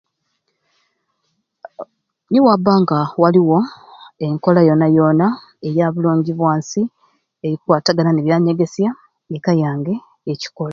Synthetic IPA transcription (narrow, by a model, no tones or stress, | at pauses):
niwabːaːŋɡawaliwo̞e̞ŋko̞lajo̞najo̞na | ejaːβuloːɲɟiβwaːnsi | e̞ɾikwaːtaɡalaneβjaːɲeɡe̞sja | nekajaːŋɡe̞ː | ci̥kola